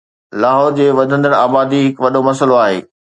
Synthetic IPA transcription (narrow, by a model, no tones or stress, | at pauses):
laːɦɔːɾd͡ʑeːʋɐd̪ʱə̃nd̪əɽaːbaːd̪iɦɪkʋɐɗomɐsəloaːɦḛː